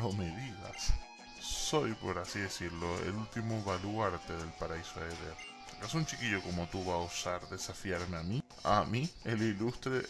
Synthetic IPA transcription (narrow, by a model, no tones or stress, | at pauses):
omiðiða̰ | so̞jpo̞ɾasiðe̞siɾlo̞ḛlult̪imoβaluaɾt̪e̞ðe̞lpaɾaisoeðeɾ | ekasũnt͡ʃikiʝoko̞mot̪uβaːusaɾðe̞safjaɾmeami | a̰mielilust̪ɾe